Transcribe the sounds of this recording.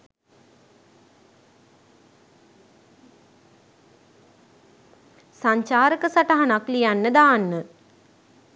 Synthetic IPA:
saɲt͡ʃaːɾəkəsaʈaɦanaklijanːəd̪aːnːə

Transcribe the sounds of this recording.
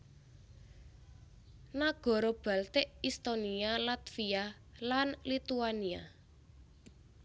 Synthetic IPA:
naɡ̥ɔ̤ɾɔb̥a̤lt̪eʔist̪onialat̪fia | lanlit̪uania̰

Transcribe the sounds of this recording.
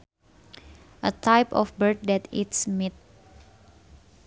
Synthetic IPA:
ʔət̪ʰajpɔ̰fbəɹt̪̚dɛt̪it̪smit̪̚

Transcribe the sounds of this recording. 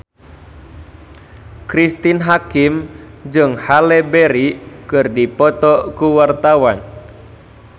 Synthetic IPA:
kɾist̪inɦakimd͡ʒɨŋhalɛbɛɾikɨrdipɔt̪ɔkuwart̪awan

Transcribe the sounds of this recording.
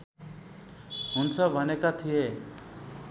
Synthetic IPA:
ɦʊnsʌbʱʌnekat̪ʰije

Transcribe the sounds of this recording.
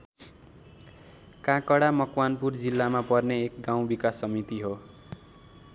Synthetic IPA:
kãkʌɽamʌkwanpurd͡zilːamapʌrneːkɡaw̃bikasːʌmit̪iɦo

